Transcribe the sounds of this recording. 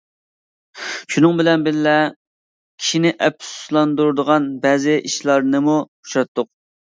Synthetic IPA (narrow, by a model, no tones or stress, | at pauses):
ʃunɨŋbɪlɛnbɪllɛ | kʲʰi̥ʃinɪʔɛp̚su̥slˠɑnd̪uɾɨd̪əʁɑnbɛzɪʔiʃlˠɑɾnɨmu | u̥ʃɑt̪ʰːʊq̚